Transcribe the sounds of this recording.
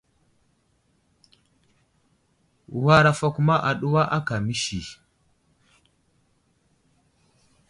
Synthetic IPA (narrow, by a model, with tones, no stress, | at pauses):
wa˦ɾa˨fa˨ku˦ma˦ʔa˨ɗu˦wa˦ʔa˦ka˨mi˦ʃi˨